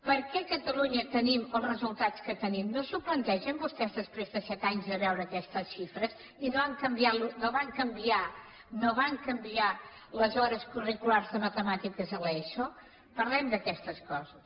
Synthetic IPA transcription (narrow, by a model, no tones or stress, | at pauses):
pəɾkɛkət̪əluɲət̪əniməlˠzrəzulˠt̪at͡skət̪ənimnozuplənt̪ɛʒəmbust̪ɛzðəspɾezðəsɛt̪aɲzðəβɛwɾəːkɛst̪əsʃifɾəs | inoβaŋkəmbialunoβaŋkəmbia | noβaŋkəmbialəzɔɾəskurikulaɾzðəmət̪əmat̪ikəzəlɛʃo | pəɾlɛmd̪əkɛst̪əskɔzəs